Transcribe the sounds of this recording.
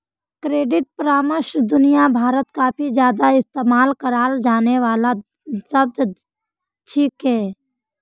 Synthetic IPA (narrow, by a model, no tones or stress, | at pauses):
kɾeːɖɪʈ̚pɾaːməʃd̪ʊnijabʱaːɾət̪kabʱid͡ʒjaːd̪aɪst̪eːmaːlkəɾaːld͡ʒaːneʋaːla | səb̚d̪ | t͡ʃʰikɦɛː